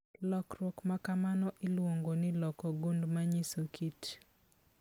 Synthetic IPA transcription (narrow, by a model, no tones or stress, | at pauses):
lɔkɾɔkmakamanɔʔɪlwoŋɡonɪlɔkɔɡundmaɲisokʰit